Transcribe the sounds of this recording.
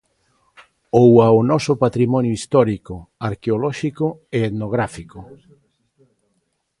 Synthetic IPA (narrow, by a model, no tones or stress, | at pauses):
owaonɔsʊpat̪ɾimɔnjoist̪ɔɾikʊaɾkeolɔʃikʊeet̪noɣ̞ɾafikʊ